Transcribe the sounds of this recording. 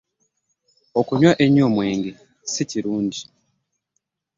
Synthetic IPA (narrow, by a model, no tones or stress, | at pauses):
okuɲwaʔeɲoːmwe̞ːŋɡe | siciɾuːnɟi